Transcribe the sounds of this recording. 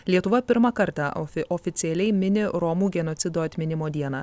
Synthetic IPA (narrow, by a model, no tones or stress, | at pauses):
lʲiɛt̪ʊʋɐpʲɪɾmɑkɐɾt̪ɑːɔːfʲɪt̪sʲɪɛlʲɛɪmʲɪnʲɪɾɔmuːɡʲɛnot̪sʲɪd̪oːɐt̪ʲmʲɪnʲɪmoːd̪ʲiɛnɑː